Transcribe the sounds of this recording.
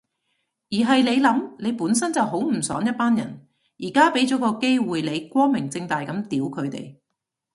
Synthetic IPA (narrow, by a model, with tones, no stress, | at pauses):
jiː˨˩ɦɐ˨jle˨˧jlɐ˨˥mle˨˧jpuː˨˥nsɐ˥nt͡sɐ˨wɦo˨˥wm̩˨˩sœ̰ː˨˥ŋjɐ˥t̚paː˥njɐ̰˨˩n | jiː˨˩kaː˥pe˨˥jt͡ʃɔː˨˥kɔː˧ke˥jwuː˨jle˨˧jkʷɔː˥mɪ˨˩ŋt͡sɪ˧ŋt̪aː˨jkɐ˨˥mt̪iː˨˥wkʰɵ˨˧ɥt̪ḛ˨˩j